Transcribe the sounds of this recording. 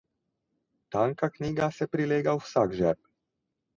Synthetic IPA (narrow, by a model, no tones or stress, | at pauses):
t̪aŋkakniːɡasɛpɾileːɡawsaɡʒɛɾp